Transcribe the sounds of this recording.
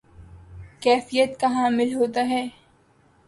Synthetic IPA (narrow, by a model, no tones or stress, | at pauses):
kɛːfijət̪kɐɦãmɪlɦoːt̪aɦɛː